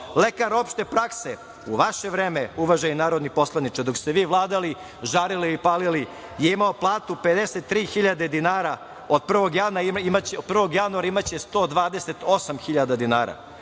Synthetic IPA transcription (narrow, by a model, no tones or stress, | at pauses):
lekaɾopʃt̪e̞pɾakse | uʋaʃeʋɾeːmeuʋaʒajunaːɾod̪nipo̞slˠanit͡ʃed̪o̞kst̪eʋiːʋlˠaːd̪ali | ʒaɾiliipaːlili | jeimaoplˠaːt̪uped̪eset̪ːɾiːxiʎad̪e̞d̪inaːɾa | od̪̚pr̩ʋo̞ɡjanamat͡ɕeopr̩ʋo̞ɡjanuaɾaimat͡ɕest̪o̞ːd̪ʋaːd̪ese̞t̪o̞samxiʎad̪ad̪inaːɾa̰